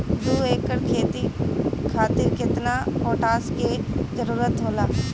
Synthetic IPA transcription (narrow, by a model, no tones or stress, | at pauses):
d̪uːeːkːəɾkʰeːt̪ikʰaːt̪ɪɾkɪt̪napoːʈaːskezəɾuːɾət̪ɦoːlaː